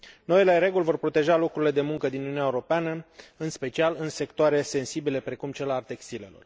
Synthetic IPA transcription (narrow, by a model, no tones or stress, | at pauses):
no̞ileɾe̞ɡulʲvo̞rpɾo̞t̪e̞ʒalo̞kɾuɾile̞d̪e̞muŋkəd̪inununeaeuɾo̞peanəɨnspe̞t͡ʃialɨnse̞kt̪oaɾe̞se̞nsibile̞pɾe̞kumt͡ʃelalt̪e̞kst̪ile̞̰lo̞̰r